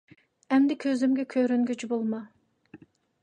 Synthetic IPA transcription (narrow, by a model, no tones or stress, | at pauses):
ɛmd̪ɪkʲʰøzymɡʲɛkʲʰøɾyŋɡʲyt͡ʃbolˠmɑ